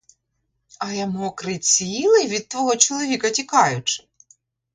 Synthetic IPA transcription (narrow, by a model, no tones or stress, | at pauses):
ɐjɐmuɔkɾɪt͡sʲilˠɪʋʲid̪̚t̪ʋɔɦɔt͡ʃɔlˠɔʋʲikɐtʲikɑjʊt͡ʃɪ̥